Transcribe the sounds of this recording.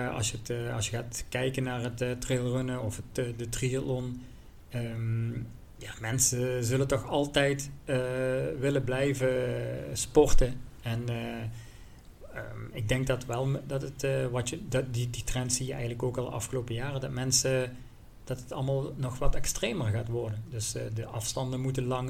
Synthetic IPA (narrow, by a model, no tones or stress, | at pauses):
ɑ̰lˠsjəətɑ̰sjəɣaːtkɛjkənːaːrɦətːtrɪlˠrønəɔfətːdətriɑtlɔn | əːm | jaːmɛnsəzɵləntɔxɑlˠtɛjtəʋɪləblɛjvəspɔrtəɛn | əɪɡ̚dɛŋk̚dɑtʋɛlˠdɑtətːʋɑtədiditrɛntsijəɛ̰jɣənləkoːkɑlˠdə̰ʔɑ̰fxəloːpəjaːrədɑtmɛnsə | d̥ɑtətɑlˠmaːlˠnɔxʋɑtɛkstreːmərɣaːtʋɔrdəndɵsdəʔɑfstɑndəmutənlɑŋ